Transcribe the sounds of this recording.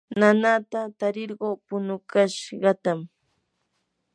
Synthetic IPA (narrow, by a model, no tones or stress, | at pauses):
nanat̪at̪aɾɪɾɢoːpʊnʊkaʃɢɑt̪am